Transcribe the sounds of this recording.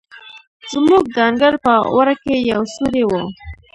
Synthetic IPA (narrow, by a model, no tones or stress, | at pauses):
z̥muɡ̚d̪ɑŋɡaɾpəwaɾakejawsuɾewo